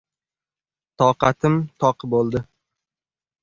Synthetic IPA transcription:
t̪ʰɒqɑt̪ʰɪmt̪ʰɒqʰbolˠd̪ɪ

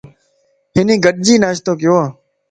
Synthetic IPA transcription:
ɦɪnĩːɡəɗ̚d͡ʒiːnaːʃt̪oːkɪjoːaː

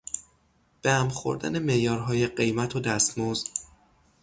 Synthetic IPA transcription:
b̥ææmxo̰ɾd̪æ̰ne̞me̞ʔjɒːɾɦɒːje̞ɢe̞jmæt̪ʰod̪æst̪moz

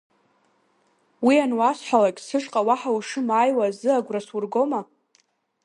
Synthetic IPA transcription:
wianwasħʷalakʲʼsɨʂʼqʼawaħawʂɨmajwazɨaɡʷraswurɡo̞ma

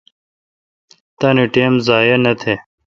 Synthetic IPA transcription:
t̪ɐniʈeːmzaːjenɐt̪ʰe

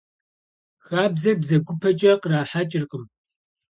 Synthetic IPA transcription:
xaːbzɐbzɐɡʷʊpʰɐt͡ʃʼɐqraːħat͡ʃʼɪrqʼəm

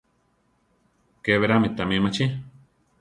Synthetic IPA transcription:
keβeɾamit̪amimat͡ʃi

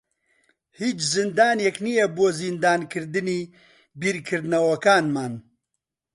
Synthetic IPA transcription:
hiːt͡ʃzɨnd̪aːneknijɛboːzind̪aːnkʰɨɾd̪ɨniː | biːɾkʰɨɾd̪nɐwɐkaːnmaːn

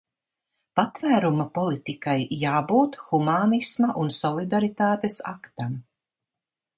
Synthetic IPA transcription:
pat̪væːɾumapɔlˠit̪ikajːaːbuːt̪xumaːnismɐʔunsɔlˠid̪aɾit̪aːt̪esa̰kt̪am

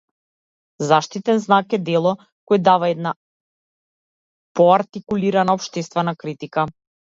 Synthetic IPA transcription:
zaʃt̪it̪ɛnznakɛd̪ɛlˠɔ | kɔjd̪avaɛd̪na | pɔaɾt̪ikuliɾanaɔpʃt̪ɛst̪vɛnakɾit̪ika

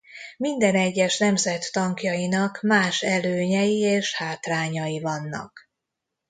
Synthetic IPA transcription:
mind̪ɛnɛɟːɛʃnɛmzɛt̪ːɒŋkjɒjinɒkmaːʃɛløːɲɛjieːʃhaːt̪raːɲɒjivɒnːɒ̰k

